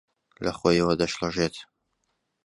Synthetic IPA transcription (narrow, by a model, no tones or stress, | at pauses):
lɐχojiwɐd̪ɐʃlɨʒet̪